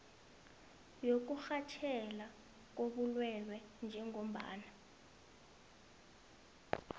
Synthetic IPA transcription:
jok̬uxat͡ʃʰɛla | k̬oɓulwɛlwɛnd͡ʒʱɛŋom̩ɓa̰ːna

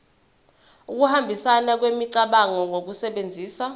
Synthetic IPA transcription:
uk̬uhambʱisanak̬wemiǀaɓaŋɔŋok̬usɛɓend͡zʱiːsa

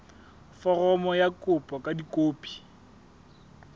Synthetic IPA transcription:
fɔrɔmɔjakʼʊpʼɔkʼadikʼoːpʼi̥

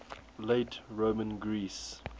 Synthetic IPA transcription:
leɪtɹoːmə̃nɡɹiːs

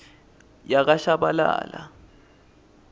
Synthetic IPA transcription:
jak̬ʼaʃabala̰ːla

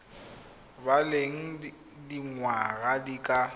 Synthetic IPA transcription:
baleŋ̩ | diŋwaɣadikʼa

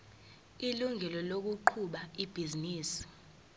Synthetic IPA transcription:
iluŋʱɛlɔlok̬uǃʰuɓaib̥ʱiziniːsi̥

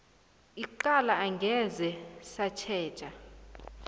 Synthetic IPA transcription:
iǃalaːŋɡʱɛzɛsat͡ʃʰɛ̥ːt͡ʃʼa

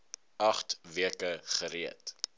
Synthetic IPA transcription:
ɐχtviəkəχəɾiət

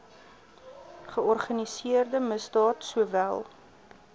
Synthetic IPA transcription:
χəɔrχɐnisiərdəməsdɑːtsuəvælˠ

